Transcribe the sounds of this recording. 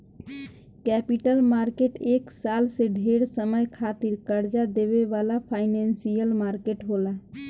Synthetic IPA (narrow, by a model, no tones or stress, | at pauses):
kɛpiʈəlmaɾkeʈeːksalseɖʱeɽsəməjkʰat̪iɾkəɾd͡ʒad̪eʋeʋalapʰaɪnɛnsijəlmaɾkeʈɦola